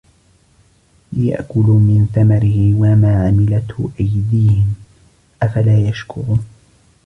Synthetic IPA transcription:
lɪja̰ʔkʊluːmɪnθamaɾɪhɪwamaːʕamɪlat̪hʔajd̪iːhɪm | ʔafalaːjaʃkʊɾuː

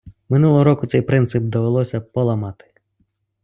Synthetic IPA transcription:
mɪnulˠɔɦɔɾɔkʊt̪sɛjpɾɪnt̪sɪp̚d̪ɔʋelˠɔsʲɐpɔlˠɐmɑt̪ɪ̥

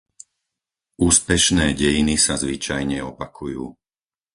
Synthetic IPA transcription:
uːspɛʃnɛːɟɛjinisazʋit͡ʃajɲɛɔpakʰujuː

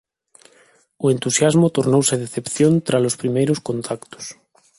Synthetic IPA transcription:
oent̪usjazmot̪oɾnowseðeθepθjõnt̪ɾalospɾimejɾoskõnt̪ʰakt̪o̥s

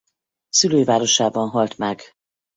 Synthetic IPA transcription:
syløːjvaːɾo̞ʃaːbɒnɦɒlt̪mɛɡ

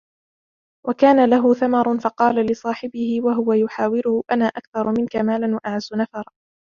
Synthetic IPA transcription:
wakaːnalaɦʊθamɑɾˤʊnfɑqɑːlalɪsˤɑːħɪbɪhɪwaɦʊwajʊħaːwɪɾʊhʊʔanaːʔakθɑɾˤʊmɪnkamaːlanwaʔaʕazːʊnafɑɾˤ

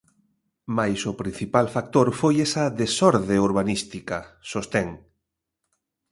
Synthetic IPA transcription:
majsʊpɾĩn̟θipalfak̚t̪oɾfojesɐðesɔɾðeuɾβ̞anist̪ikɐsost̪eŋ

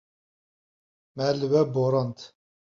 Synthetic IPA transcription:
mɛlɨwɛboɾɑnt̪

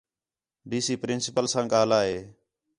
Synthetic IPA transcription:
ɖiːsiːpɾɪnsɪpəlsãːɠaːlaːɦeː

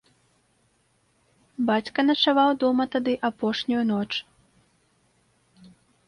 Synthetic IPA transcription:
bat͡sʲkɐnɐt͡ʂavawd̪ɔmɐt̪ad̪ɨʔapɔʂnʲujunɔt͡ʂ

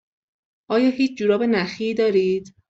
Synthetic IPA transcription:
ʔɒːjɒːɦiːt͡ʃʰd͡ʒuːɾɒːbenæxiːd̪ɒːɾiːd̪̥

